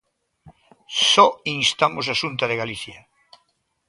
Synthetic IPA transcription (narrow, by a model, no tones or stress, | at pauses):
sɔiŋst̪amʊs̬asunt̪ɐðeɣaliθjɐ